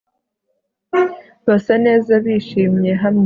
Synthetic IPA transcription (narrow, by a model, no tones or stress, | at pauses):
βasane̞ːzaβiːʃiːmɲe̞ɦamɲ